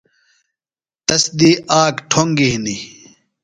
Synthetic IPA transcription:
t̪ɐsd̪iːaːkʈʰoŋɡiɦni

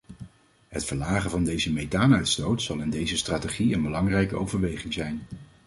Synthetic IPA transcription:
ɦətfəɹlaːχəvɑndejzəmejtaːnœɥtstowtsɑlˠɪndejzəstraːteχiənbəlɑŋrɛjkəʔowvəɹʋejχɪŋzɛjn

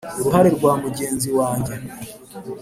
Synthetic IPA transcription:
uɾuɦaɾeɾɡwaːmuɟe̞ːnziwaːɲɟe̞

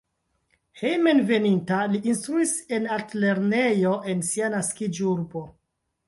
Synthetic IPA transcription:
hejme̞nve̞nintaliʔːnstɾuise̞natle̞ɾne̞jo̞ʔe̞nsianaskid͡ʒuɾbo̞

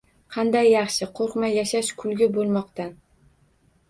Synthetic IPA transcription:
qʰɑnd̪ajːɑχʃɪqʰoɾqmajaʃaʃkʰʊlˠɡʲɪbolˠmɒqt̪a

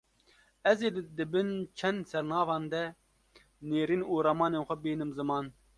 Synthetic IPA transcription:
ɛzeːd̪d̪ɨbɨnt͡ʃʰɛnd̪sɛɾnɑːvɑːnd̪ɛ | neːɾiːnuːɾamɑːneːnxʷɛbiːnɨmzɨmɑːn

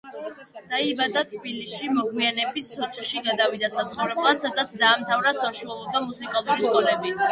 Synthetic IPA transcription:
d̪̥aibad̪at̪ʰbilisʃimɔɡwianɛbit̪sɔt͡ʃʼʃiɡad̪avid̪asat̪sχuɾɛblˠat̪sad̪at̪sʰd̪aːmt̪ʰavɾasɔʃuɔlˠud̪amusikʼalˠuɾiskʼɔlɛbi

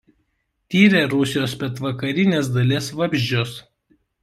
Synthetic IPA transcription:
t̪ʲiːɾʲeɾʊsʲɪjoːspʲɛt̪ʋɐkɐɾʲɪnʲeːsd̪ɐlʲesʋɐbʲʒʲd͡ʒʲoːs

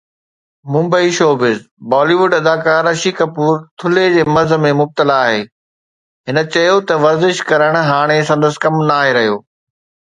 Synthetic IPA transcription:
mʊ̃mbəiʃoːbɪz | baːliːʋʊɖɐd̪aːkaːɾɐʃiːkɐpuːɾt̪ʰʊled͡ʑeːmɐɾzə̆mẽmʊb̚t̪əlaːɦeː | ɦɪnə̆t͡ɕɐjot̪ɐʋɐɾzɪʃkɐɾəɽ̃ɦaːɽ̃es̬ɐ̃nd̪əsɪ̥kɐmnaːɦeɾɐɦijoː

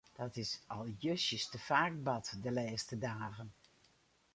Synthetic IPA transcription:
d̥ɑtɪsɑlˠjøsjəstəfaːk̚bɑtdəleːstədaːɣən

